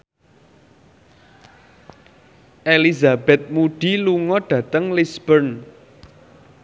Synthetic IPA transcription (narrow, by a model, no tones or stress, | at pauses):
ʔelizabɛt̪̚muɖ̥i̤luŋɔɖ̥ä̤t̪əŋlisb̥ərn